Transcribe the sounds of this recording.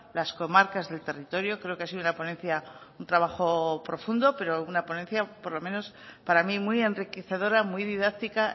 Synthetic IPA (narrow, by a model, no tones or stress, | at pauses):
lasko̞maɾkazðe̞lt̪e̞rit̪o̞ɾjo̞kɾe̞o̞keasiðunapo̞nenθjaunt̪ɾaβ̞axo̞pɾo̞fund̪o̞pe̞ɾo̞unapo̞nẽ̞nθjapo̞ɾlo̞mẽ̞no̞s | paɾamimwie̞nrikeθe̞ð̞o̞ɾamwuijðiðak̚t̪ika